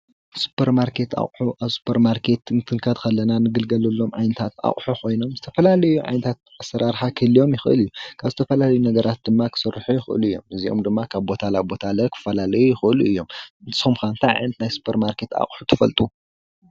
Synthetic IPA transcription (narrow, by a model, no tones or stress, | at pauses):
su̥pʰːɐɾmaɾkʰe̞t̪a̰χʼħuʔaβsu̥pʰɐɾmaɾkʰe̞t̪ɨnt̪ʰɨŋkʰɐd̪kʰɐlːɐnanɨɡɨlɡɐlɐlːo̞mʕajnɐt̪ʰat̪ʔa̰χʼħukʰo̞jno̞mzɨt̪ʰɐfɐlalɐjuʕa̰jnɐt̪ʰat̪̚ | asːɐɾaɾħakʰɨlio̞mjɪxɨʔɨ̰lijːukʰaβzɨt̪ʰɐfɐlalɐjunɐɡɐɾʔat̪̚d̪ɨmːakʰɨ̥sɨrːħujɪxʔɨ̰luɨjːo̞̰mɨziʔo̞̰md̪ɨmːakʰaβbo̞t̪ʰalabo̞t̪ʰalɐkʰɨ̥fɐlalɐjujɪxɨʔɨluɨjːo̞mɨnt̪sumkant̪ʰaʕ̰nɐt̪najsu̥pʰɐɾmaɾkʰe̞t̪a̰χʼħut̪ʰɨfɐ̰lt̪ʼu